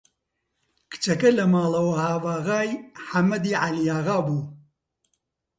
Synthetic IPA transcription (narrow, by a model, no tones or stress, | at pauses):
kɨ̥t͡ʃɐkɐlɐmaːlɐwɐhaːvaːɣaːjħamɐd̪iʕalijaːɣaːbu